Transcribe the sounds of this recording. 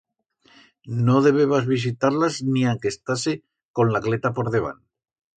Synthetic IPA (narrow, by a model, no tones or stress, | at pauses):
no̞ðe̞β̞eβazβis̬it̪aɾlazniaŋke̞st̪ase | ko̞nlaklet̪apo̞ɾðe̞β̞a̰n